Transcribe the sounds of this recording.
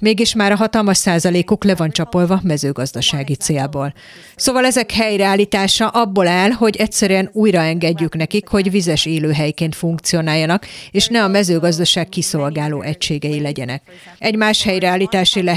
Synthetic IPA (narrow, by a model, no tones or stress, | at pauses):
meːɡiʃmaːɾɒɦɒt̪ɒlmɒʃsaːzɒleːkuklɛvɒnt͡ʃɒpo̞lvɒmɛzøːɡɒzd̪ɒʃaːɡit̪seːlboːl | soːvɒlɛzɛkhɛjɾɛaːlːiːt̪aːʃɒʔɒbːoːlaːlɦo̞ɟɛcsɛɾyɛnuːjrɒɛŋɡɛɟːykn̪ɛkikho̞ɟvizɛʃeːløːɦɛjkeːnt̪fuŋk̚t̪sijo̞naːjːɒnɒkeːʃnɛɒmɛzøːɡɒzd̪ɒʃaːkkiso̞lɡaːloːʔɛcʃeːɡɛjilɛɟɛnɛ̰k̚ | ɛɟmaːʃhɛjrɛaːlːiːt̪aːʃilɛ